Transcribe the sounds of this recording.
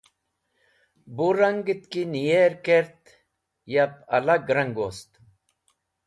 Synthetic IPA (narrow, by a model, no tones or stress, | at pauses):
buɾɐŋɡit̪kinijeɾkeɾt̪ | japɐ̰laɡɾɐŋɡost̪